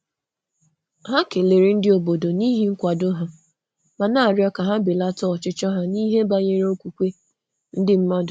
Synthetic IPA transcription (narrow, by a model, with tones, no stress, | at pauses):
ɦa˦ke˨le˨ɾi˦n̩˦dɪ˦o˨bo˨do˨ni˦ɦi˦ŋ̩˦kʷa˨dʊ˦ɦa˨ | ma˨na˦a˨ɾjɔ˦ka˨ɦa˦bɪ˨la˦tɔ˦ɔ˨t͡ʃɪ˦t͡ʃɔ˦ɦa˦ni˦ɦe˦ba˦ɲe˦ɾe˦o˦kʷu˨kʷe˦ | n̩˦dɪ˦m̩˦ma˦dʊ˨